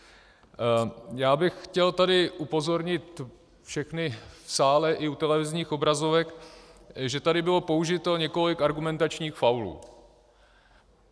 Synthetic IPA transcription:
jaːbɪxxcɛlt̪adɪʔupo̞zo̞ɾɲɪt̪ | fʃɛxnɪfsaːlɛʔɪut̪ɛlɛvɪzɲiːxo̞bɾazovɛk | ʒɛt̪adɪbɪlo̞po̞uʒɪt̪oɲɛko̞lɪkaɾɡumɛnt̪at͡ʃɲiːxfawlṵː

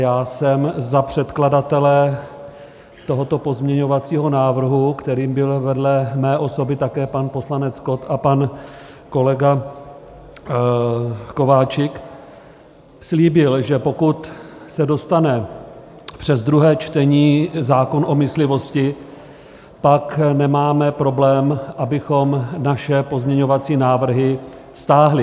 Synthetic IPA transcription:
jaːsɛmzapr̝̥ɛt̪kladat̪ɛlɛ | t̪o̞ɦo̞t̪o̞po̞zmɲɛɲo̞vat͡siːɦo̞naːvr̩ɦukt̪ɛɾiːmbɪlvɛdlɛmɛːʔo̞so̞bɪt̪akɛːpanpo̞slanɛt͡sko̞t̪apan | ko̞lɛɡa | ko̞vaːt͡ʃɪk | sliːbɪlʒɛpo̞kut̪sɛdo̞st̪anɛ | pr̝̥ɛzd̪ɾuɦɛːt͡ʃt̪ɛɲiːzaːko̞nʔo̞mɪslɪvo̞scɪ | paknɛmaːmɛpɾo̞blɛːmʔabɪxo̞mnaʃɛpo̞zmɲɛɲo̞vat͡siːnaːvr̩ɦɪ | st̪aːɦlɪ

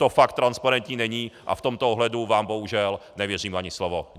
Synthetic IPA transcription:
t̪ofak̚t̪ːɾanspaɾɛnt̪ɲiːnɛɲiːʔa̰ft̪omt̪ooɦlɛduvaːmboɦuʒɛlnɛvjɛr̝iːmʔaɲɪslovo

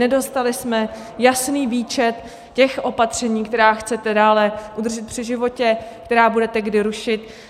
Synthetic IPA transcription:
ɛdo̞st̪alɪsmɛ | jasniːviːt͡ʃɛt̪ | cɛxʔo̞pat̪r̝̥ɛɲiːk̚t̪ɛɾaːxt͡sɛt̪ɛdaːlɛʔud̪r̩ʒɪt̪̚pr̥ɪʒɪvo̞cɛkt̪ɛɾaːbudɛt̪ɛɡdɪɾuʃɪt̪

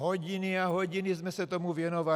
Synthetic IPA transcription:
ɦɔɟiniaɦɔɟinizmɛsat̪ɔmuʋjɛnɔʋa

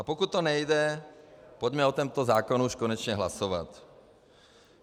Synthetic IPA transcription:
ʔapokut̪̚ːonɛjdɛ | poɟmɛot̪ɛmt̪ozaːkonuʃkonɛt͡ʃɲɛɦlasova̰t̪

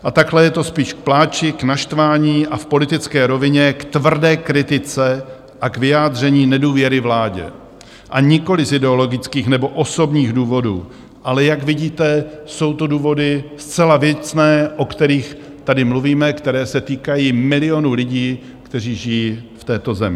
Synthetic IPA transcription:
ʔat̪aklɛjɛt̪o̞spiːʃk̚plaːt͡ʃɪknaʃt̪vaːɲiːʔafpo̞lɪt̪ɪt͡skɛːɾo̞vɪɲɛkt̪vr̩dɛːkɾɪt̪ɪt͡sɛ | ʔakvɪjaːd̪r̝ɛɲiːnɛduːvjɛɾɪvlaːɟɛ̰ | ʔaɲɪko̞lɪzɪdɛo̞lo̞ɡɪt͡skiːxnɛbo̞ʔo̞so̞bɲiːxduːvo̞dṵː | ʔalɛjakvɪɟiːt̪ɛso̞wt̪oduːvo̞dɪst͡sɛlavjɛt͡snɛːʔo̞kt̪ɛɾiːx | t̪adɪmluviːmɛkt̪ɛɾɛːsɛt̪iːkajiːmɪlɪo̞nulɪɟiː | kt̪ɛriːʒɪjiːft̪ɛːt̪o̞zɛmɪ

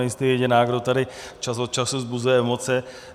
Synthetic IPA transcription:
ɛjɪst̪ɛjɛɟɪnaːɡdot̪adɪt͡ʃasot̪̚t͡ʃasuzbuzujɛɛmo̞t͡sɛ

